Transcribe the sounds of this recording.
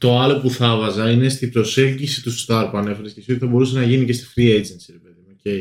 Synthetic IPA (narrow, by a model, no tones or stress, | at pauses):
t̪o̞ɐlo̞puθɐvɐzɐine̞st̪ibɾo̞se̞lɟisit̪ust̪ɐɾpuɐne̞fe̞ɾescesiot̪iθɐbo̞ɾusenɐʝinice̞st̪i̥fɾied͡zensiɾe̞pe̞ðimocej